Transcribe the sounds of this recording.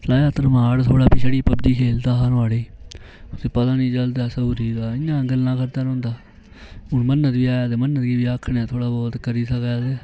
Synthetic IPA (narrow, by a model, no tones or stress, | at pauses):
laːjaːt̪əɾmaːɽt̪ʰoːɽaːpɪt͡ʃʰəɽiːpəbd̪iːkʰeːld̪aːɦaːnaːɽeːʊseːpət̪ãːnĩːt͡ʃəld̪aːsəuɾiːd̪aːɪnãːəŋɡəlnãːkʰəɾd̪aːɾõːnd̪aː | ɦʊɳmənːət̪ʋiːaːd̪eːmənːət̪ɡiːʋiːaːkʰɳaːt̪ʰoːɽaːbɔːt̪kəɾiːsəkad̪eː